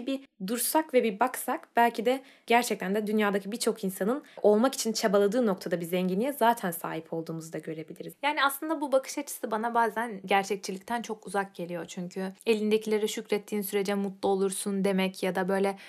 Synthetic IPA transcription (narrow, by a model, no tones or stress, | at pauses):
ibid̪uɾsakvɛbibaksakb̥ælʲcʰid̪ɛ | ɟæɾt͡ʃʰɛc̚t̪ʰænd̪ɛd̪ynjaːd̪acʰibiɾt͡ʃʰo̞kinsanɯno̞lˠmaki̥t͡ʃʰint͡ʃʰabalˠad̪ɯːno̞kt̪ʰad̪abizɛɲɟinijɛzaːt̪ʰænsa̰ːɦipʰo̞lˠd̪uːmuzd̪aɟø̞ɾe̞bilʲiɾizjaːniaslˠɯnd̪abubakʰɯ̥ʃat͡ʃʰɯ̥sɯbanabaːzænɟæɾt͡ʃʰɛc̚t͡ʃʰilʲic̚t̪ʰænt͡ʃʰo̞kuzak̚ɟe̞lʲijo̞t͡ʃʰyɲcʰye̞lʲind̪ecʰilʲeɾɛʃycɾɛt̪ʰːiːnsyɾe̞d͡ʒɛmut̪lˠuo̞lˠuɾsund̪e̞mɛcjad̪abø̞jlʲɛ